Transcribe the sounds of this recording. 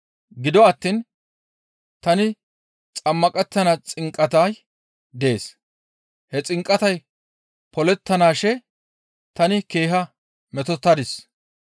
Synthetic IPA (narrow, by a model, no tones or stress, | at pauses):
ɡɪd̪ɔɐt̪ːiːn | t̪ɐnɪ | t͡sʼɐmːɐkʼɛt̪ːɐnat͡sʼɪŋkʼːɐt̪aj | d̪e̞ːs | hɛt͡sʼɪŋkʼːɐt̪ɐj | pɔlɛt̪ːɐnaːʃɛ | t̪ɐnɪke̞ːɦɐ | mɛt̪ɔt̪ːɐd̪ɪs